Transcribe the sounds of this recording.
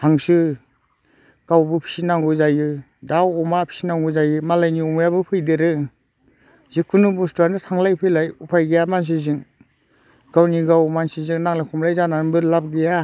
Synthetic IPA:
haŋsɯ | ɡ̥awbɯpʰi̥sinaŋɡɯzajɯ | dawɔmapʰi̥sinaŋɡujzajɯmalajniɔmjabɯpʰɯjdɯɾɯ | zikʰːunɯbustaɾnɯtʰaŋlajpʰɯjlajupʰajɡejamans̬izɯŋ | ɡ̥awniɡawmansizɯŋnaŋlakʰɔmlajzanaɯnbɯlap̚ɡeja

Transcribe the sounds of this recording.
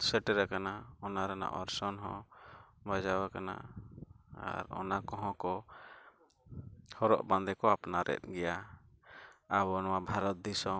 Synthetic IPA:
sɛʈɛɾakanaɔnaɾɛna̰ʔɔɾsɔnɦɔ̰̃bad͡ʒawakana̰ | a̰ɾɔ̰nakɔɦɔ̃kɔ | hɔɾɔ̰ʔband̪ɛkɔapnaɾʔɛ̰t̪̚ˀɡɛja | abɔnɔwabʱaɾɔt̪̚d̪isɔ

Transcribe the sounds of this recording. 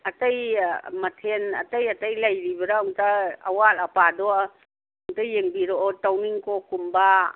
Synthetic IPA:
atajmatʰena̰tajatajlajɾibɐɾauŋtaa̰walapadɔ | uŋtajeŋbiɾɔɔtawniŋkɔkumba

